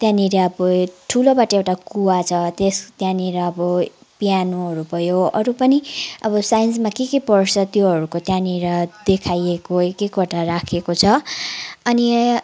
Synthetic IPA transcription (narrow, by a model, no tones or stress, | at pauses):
t̪jãniɾʌʌbʌʈʰulobaʈʌewʈakuwat͡sʰʌt̪est̪jãniɾʌːbʌ | pijanuɦʌɾupʌjoʌɾupʌniʌbʌsajnsmakekepʌrt͡sʰʌt̪joɦʌɾukot̪jãniɾʌd̪ekʰajekoekekʌʈaɾakʰekot͡sʰʌ | ʌni